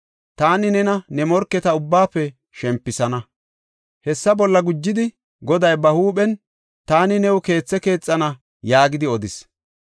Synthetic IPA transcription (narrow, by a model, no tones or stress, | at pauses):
t̪aːnɪnɛnɐnɛmɔɾkːɛt̪ɐʊbːaːfːɛ | ʃɛmpːɪsɐnɐ | hɛsːɐbɔlːɐɡʊd͡ʒːɪd̪ɪ | ɡɔd̪ɐjbɐhuːɓɛn | t̪aːnɪnɛwʊke̞ːt͡sːɛke̞ːt͡sʼːɐnɐ | jaːɡɪd̪ɪɔd̪ɪs